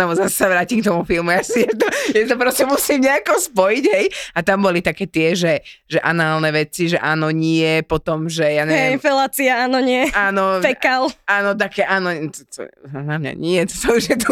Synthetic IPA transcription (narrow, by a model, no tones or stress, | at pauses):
ɛbɔzasɛ̥saʋɾaːcimkt̪ɔmufilmujasijɛt̪̬ɔjast̪ɔp̬ɾɔscɛmusiːmɲɛakɔspɔjiɟɦɛjat̪ambɔlit̪akɛːt̪ɪɛʒɛʒɛʔa̰naːlnɛʋɛt͡siʒɛʔaːnɔɲɪɛpɔt̪ɔmʒɛjaɲɛɛɛnfɛlaːt͡siaaːnɔɲɪɛaːnɔpɛkalaːnɔt̪̬akɛːʔaːnɔt̪t̪ɔ̰namɲa̰ɲɪɛt̪ɔ̥sauʒjɛt̪ɔ